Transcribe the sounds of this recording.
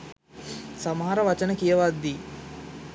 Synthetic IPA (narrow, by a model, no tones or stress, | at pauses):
sɐmɦaːɾɐʋɐt͡ʃɐnɐkijɐʋaːd̪i